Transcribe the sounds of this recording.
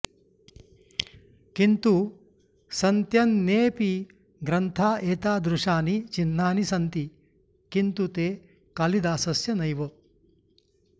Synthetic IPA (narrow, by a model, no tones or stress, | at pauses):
kint̪u | sɐnt̪jɐnːeːpi | ɡɾɐnt̪ʰaːʔeːt̪aːd̪ɾuʂaːnit͡ʃinːaːnisɐnt̪i | kint̪ut̪eː | kaːlid̪aːsɐsjɐnɐjʋo